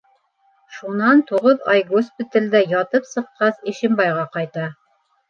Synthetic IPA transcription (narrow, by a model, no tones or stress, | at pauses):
ʃunɑnt̪uʁɤðɑ̰jɡospʲit̪alʲd̪æjɑt̪ɤpsɤ̆qːɑsiʃɘ̆mbɑjʁɑqɑjt̪ɑ